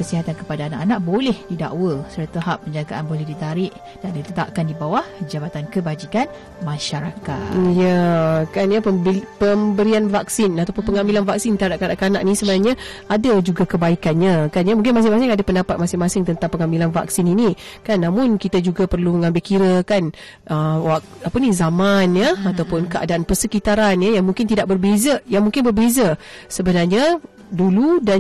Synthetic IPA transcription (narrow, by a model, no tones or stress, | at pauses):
kəsiɦat̪ankə̥padaːnaʔanãʔbolɛhdida̰ʔwəsəɾət̪əɦapːəɲd͡ʒaɡaʔanbolɛhdit̪aɾɪʔ | d̥anit̪ət̪a̰ʔkandibawahd͡ʒabat̪ankəbad͡ʒikan | mãʃaɾaka̰jakanjapəpəmbəɾianvaksinat̪awpʊnpəŋambilanvak̚sint̪adaʔkadaʔkanaʔnĩsəbənaɲa | adad͡ʒuɡakəbaikanɲãkanjamuŋk̬ɪnmas̬ɪŋmas̬ɪŋadapəndapat̪̚masɪŋmasɪŋt̪ənt̪aŋpəŋambilanva̰ksininikanːamʊnkit̪ad͡ʒuɡapərluməŋãmbɪlkiɾəkan | ʔəwa | apənizamanjəat̪awpʊnkəʔa̰daʔanpərsəkit̪aɾanjəjaŋmũŋkɪnt̪idaʔ̚bərbezajaŋmuŋkɪnbərbezasəbənarɲa | duluda